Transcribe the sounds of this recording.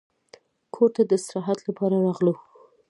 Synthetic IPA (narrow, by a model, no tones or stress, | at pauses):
kʰoɾt̪ad̪əsaɾɑɦat̪lapɑɾaɾɑɣlu